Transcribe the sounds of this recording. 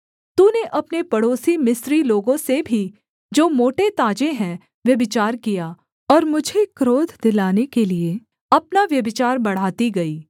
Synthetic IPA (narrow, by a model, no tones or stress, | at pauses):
t̪uːneʔɐpnepɐɽoːsimɪsɾiloːɡõsebʱi | d͡ʒoːmoːʈet̪aːd͡ʒeɦɛ̃ | ʋjɐbɪt͡ʃaːɾkijaː | ɔːɾmʊd͡ʒʱekɾoːd̪ʱd̪ɪlaːnekelie | ɐpnaʋjɐbɪt͡ʃaːɾbɐɽ̤aːt̪iɡɐiː